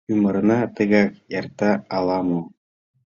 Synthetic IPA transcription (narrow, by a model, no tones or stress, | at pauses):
ymɤ̆ɾɤ̆nɑt̪ɤ̆ɣɑkjɑrt̪ːɑɑlˠɑmu